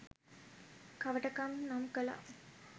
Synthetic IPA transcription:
kaʋəʈəkamnamkəla̰

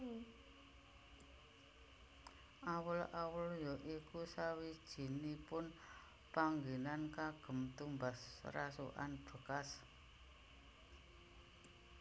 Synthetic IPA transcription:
ʔawəlawəljɔʔikusawid̥ʒ̥i̤nipʊn | paŋɡelankaɡ̥ə̤mt̪umbasra̰sṵʔa̰nb̥ə̤kas

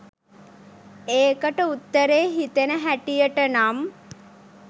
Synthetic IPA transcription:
eːkəʈəut̪ːəɾeːɦit̪enəɦæʈijəʈənam

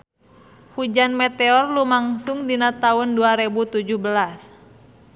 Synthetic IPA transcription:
hud͡ʒanmɛt̪eɔrlumaŋsuŋdinat̪aʊnduaɾebut̪ud͡ʒuhbəlas

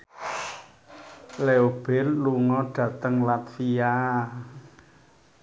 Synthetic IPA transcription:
leob̥ɛlluŋɔɖ̥ä̤t̪əŋlat̪fia

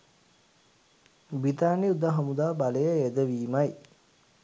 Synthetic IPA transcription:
bit̪aːniud̪aɦamud̪aːbaləjəed̪əʋiːmaj

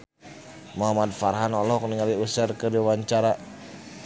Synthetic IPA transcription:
maɦamad̪̚farɦanɔlɔhkniŋaliusərkədiawaɲt͡ʃaɾa

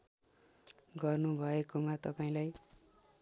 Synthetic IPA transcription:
ɡʌrnubʱʌekomat̪ʌpaĩlaj

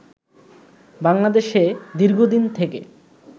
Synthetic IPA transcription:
baŋlad̪eʃed̪iɾɡʱod̪int̪ʰekḛ

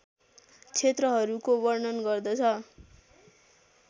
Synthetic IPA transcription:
t͡sʰet̪rʌɦʌɾukobʌrnʌnɡʌrd̪ʌt͡sʰʌ

